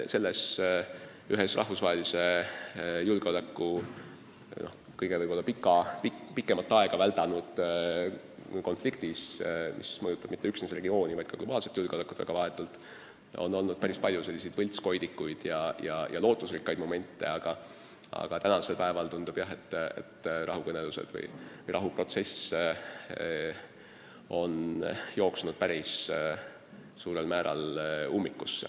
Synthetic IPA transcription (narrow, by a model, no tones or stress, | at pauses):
se̞lːes | yɦesrʔɑ̰hfusvɑɦelise̞ | julɡ̥eo̞lækːu | no̞̰h | kɤjɡ̥e̞vɤjb̥o̞lːɑpikːˑɑpipikːˑemɑlt̪ːˑɑeɡ̥ɑvælt̪ɑnud̪̥ | ko̞nflikt̪ismʔḭsmɤjut̪ːˑɑb̥mit̪ːe̞yksnesre̞ɡio̞ːnivɑjd̪̥̚kɑɡ̥lo̞bɑːlse̞t̪ːjulɡeo̞lekːˑut̪væ̰ɡ̥ɑvɑɦe̞t̪ːˑult̪ˑ | o̞̰nːo̞lnud̪̥̚pæɾispɑlʲjuse̞lʲːisejd̪̥vɤlʲt̪sko̞jd̪ikːujd̪̥jɑjɑjʔɑ̰lo̞ːt̪ːˑuslikːˑɑjd̪̥mo̞me̞nʲt̪ːˑe̞̰ɑɡ̥ɑ | ɑ̰ɡ̥ɑt̪ænɑse̞lpæe̞vɑlt̪und̪̥ub̥jɑɦe̞t̪ːḛt̪rɑ̰ɦukɤne̞luse̞̰d̪vɤ̰jvəjrʔɑɦupro̞t̪se̞s | o̞njo̞ːksunud̪̥pæɾis | suːɾe̞lmæːɾɑ̰lumːikːˑus